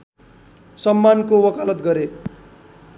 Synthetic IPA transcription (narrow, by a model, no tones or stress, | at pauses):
sʌmːankowʌkalʌt̪ɡʌɾe